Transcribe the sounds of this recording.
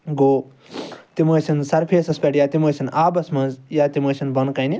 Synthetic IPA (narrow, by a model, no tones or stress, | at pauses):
ɡoː | t̪imoːsɐnsɐɾpʰeːsɐspɐʈjaːt̪imɐːsinaːbɐsmɐnzjaːt̪imɐːʃʰʲinbɐnkɐjni